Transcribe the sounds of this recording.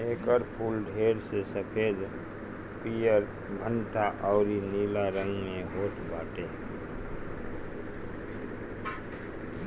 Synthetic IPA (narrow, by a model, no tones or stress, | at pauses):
ekəɾpʰulɖʱɦeɾsesəpʰed͡ʒ | pijəɾ | bʱənt̪aʔɔʊɾinilaɾəŋɡmeɦoʈʰbaʈe